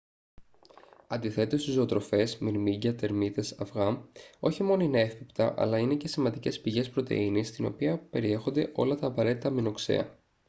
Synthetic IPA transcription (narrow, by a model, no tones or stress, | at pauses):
ɐnd̪iθe̞t̪e̞st̪izo̞ːt̪ɾo̞fe̞smiɾmiɟɐt̪e̞ɾmit̪e̞sɐfɣɐmo̞çimo̞noineefipt̪ɐ̰ʔɐ̰lɐine̞ce̞simɐnd̪ice̞spiʝe̞spɾo̞t̪e̞̰inist̪ino̞̰piɐpe̞ɾie̞xo̞nd̪e̞̰ʔo̞lɐt̪ɐːpɐɾe̞t̪it̪ɐmino̞kse̞̰ɐ̰